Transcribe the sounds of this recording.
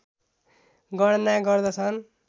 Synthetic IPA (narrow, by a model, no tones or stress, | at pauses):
ɡʌɽnaɡʌrd̪ʌt͡sʰʌn